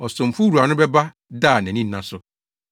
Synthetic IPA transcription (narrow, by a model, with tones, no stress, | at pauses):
ɔ˨sʊ̃˨m̩˨fu˦ɾu˨a˨nʊ̃˦bɛ˦ba˦ | daː˦˨nɛ̃˨nĩ˦n̩˦nã˨sʊ˦